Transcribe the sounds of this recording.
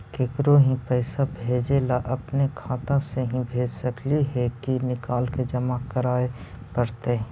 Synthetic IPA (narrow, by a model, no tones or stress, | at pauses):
keːkɾoɦĩpɛɪsabʱeːd͡ʒelaʔɐpnekʰaːt̪ãseɦĩbʱeːd͡ʒsɐkliɦɛkinɪkaːlked͡ʒəmakəɾaːe | pəɾt̪ẽ